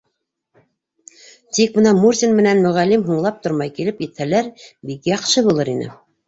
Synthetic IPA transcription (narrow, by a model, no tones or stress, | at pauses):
t̪ik̚bɤ̆nɑmurzʲinmɘ̆nænmɵ̆ʁælːimɦuɴlˠɑp̚t̪ŏɾmɑjkilɘpjɘ̆t̪hælæɾbikjɑqʃɤβulˠɤɾinɘ̰